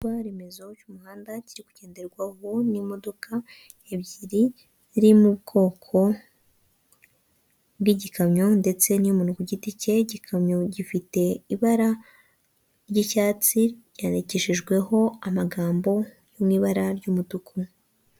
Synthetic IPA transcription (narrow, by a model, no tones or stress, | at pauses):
waɾemezo̞cumuhaːndaciɾiku̥ɟ̥e̞ːndeɾɡwahonimo̞do̞kʰa | ebɟiɾi | ɾimubɡo̞ːkʰo̞ | bɡiɟikamɲo̞nde̞t͡se̞nijumuːnukuɟitice̞ɟikʰamɲo̞ɟifite̞iβaɾa | ɾɟicaːt͡siɟaneceʃiʒɡwe̞ɦo̞amaɡaːmbo̞ | jomŋiːβaɾaɾɟuːmudukʰu